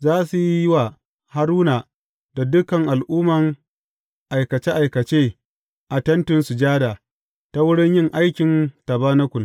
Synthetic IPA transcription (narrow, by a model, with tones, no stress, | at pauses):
zaː˦su˨ji˦jɪ˦wa˨ | ha˦ɾuː˦naː˨ | da˨dʊ˦kɐ˨ŋʔa˨lʔuː˦mɐ˨ŋ | ʔa˨jkɐ˨t͡ʃeː˦ʔa˨jkɐ˨t͡ʃeː˦ | ʔa˨tɐ˦ntʊ˨nsu˨d͡ʒaː˦daː˨ | ta˦wʊ˦ɽɪ˦ɲjɪ˦ŋʔa˦jkʲɪ˨ntɐ˨baː˦nɐ˦kʷʊ˨